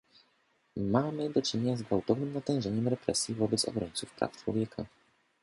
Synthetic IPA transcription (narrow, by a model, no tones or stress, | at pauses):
mamɘd̪ɔt͡ʂɘɲeɲazɡvawt̪ɔvnɘmnat̪ɛ̃ʐɛɲɛmɾɛpɾɛ̰sʲjivɔbɛt̪sɔ̰bɾɔɲt̪sufpɾa̰ft͡ʂwɔvʲjɛkʰa̰